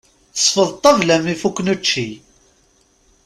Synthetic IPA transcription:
θə̥sˤfəðˤt̪ˤːɑvlæmifukːnət͡ʃːi

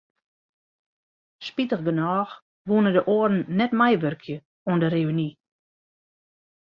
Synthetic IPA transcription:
spitəxɡənɔːx | ʋuənədəʔoərn̩ːɛtmɛjʋørkʰjə | uəndəreyni

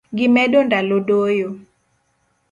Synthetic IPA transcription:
ɡɪmɛdondalodojo

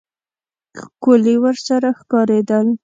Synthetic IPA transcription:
kʊliwəɾsaɾaxkɑɾed̪əl

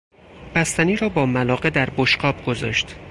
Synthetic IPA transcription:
b̥æst̪æniːɾɒːbɒːmælɒːɢe̞d̪æɾboʃɢɒːb̚ɡozɒ̰ːʃt̪

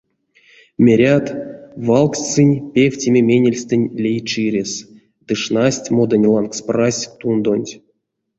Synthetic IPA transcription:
mʲeɾʲat̪valˠksʲt͡sɨnʲpʲefʲtʲemʲemʲenʲelʲst̪ɨnʲlʲejt͡ʃɨɾʲes | d̪̥ɨʂnasʲtʲmod̪anʲlˠanksprasʲt̪und̪onʲtʲ

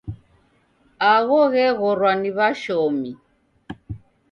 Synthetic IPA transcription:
aɣɔɣɛɣɔɾwaniβaʃɔmi

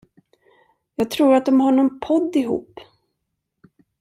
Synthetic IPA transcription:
jɑːɡ̚t̪ʰɾuːɾat̪̚d̪ɔmhɔɳɔnpʰɔd̪ːɪɦṵːp

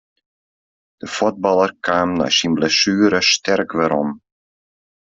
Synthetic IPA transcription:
d̥əfot̚bɑlˠərkʰaːmna̰ːsinblɛsyːɾəstʰɛrkʋɛɾɔm

